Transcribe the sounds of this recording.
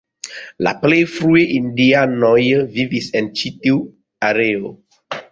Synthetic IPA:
la̰plefɾueʔĩndianɔjəvivisɛ̃nd̚t͡ʃiti | aɾeo

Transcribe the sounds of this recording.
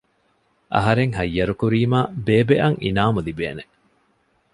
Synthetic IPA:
ʔɐ̰ɦɐɾeŋɦɐjːɐɾukuɾiːmaːbeːbeʔɐŋʔḭnaːmulibḛːne

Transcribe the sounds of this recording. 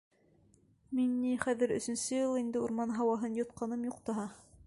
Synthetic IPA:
minːiχæðɘɾɵ̆sɵ̆nsɵjɤlˠind̪ɘuɾmɑnɦɑwɑɦɤnjŏt̪̚qɑnɤmjuqt̪ɑɦɑ

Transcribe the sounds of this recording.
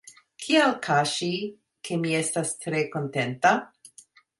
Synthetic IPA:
kʰialkʰaʃi | kʰe̞mie̞stastɾe̞ko̞nte̞nta

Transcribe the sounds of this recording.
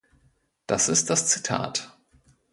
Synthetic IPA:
d̥asɪst̚d̥ast͡si̥tʰa̰ːt

